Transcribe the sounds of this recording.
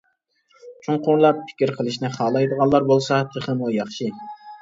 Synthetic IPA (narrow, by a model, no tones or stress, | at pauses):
t͡ʃʰuɴqʊɾlˠɑpːʰɪ̥kʲiɾqʰəlˠɨʃnɪχɑːlˠɑjd̪əʁɑnlˠɑɾbolˠsɑt̪ʰəχəmujɑχʃɪ